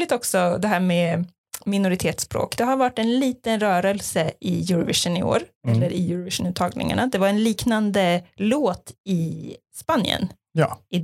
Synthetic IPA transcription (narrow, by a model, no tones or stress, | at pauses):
lɪt̪ɔksɔd̪ɛɦæːɾmɛː | mɪnʊɾɪt̪ʰeːt̪spɾo̰ːkd̪ɛɦaɾvaʈːɛnliːt̪ənɾœːɾəlsəɪjɵɾɔvɪʂənɪo̰ːɾɛlːəɾʔɪjʉɾəvɪʂənʉːt̪ʰːɑːɡnɪ̰ŋa̰ɳad̪ɛvaɾɛnliːknand̪əloːt̪ɪ | spanjə̰n | j̰ːɪ